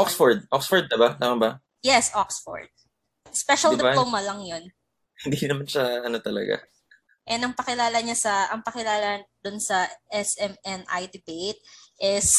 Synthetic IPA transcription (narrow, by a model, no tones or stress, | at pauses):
ʔoksfoɹd̪̚ʔoksfɔɹd̪̚ːɪbalaːmɐbɐ | jɛsʔoksfo̰ɹd̪̚ | spɛʃɐld̪amɐlɐŋjon | hɪnd̪inɐmanʃɐʔɐnot̪ɐlɐ̰ɡa̰ | ʔɛnɐŋpɐkɪlaːlɐɲasɐʔɐŋpɐkɪlaːlɐd̪ʊnsɐʔɛsɛmɛnʔa̰jd̪ɪbejt̪̚ʔɪs